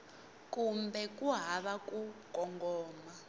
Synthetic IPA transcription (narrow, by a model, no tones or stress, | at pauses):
kumbɛkʼuɦaβakʼukʼɔŋɡɔːma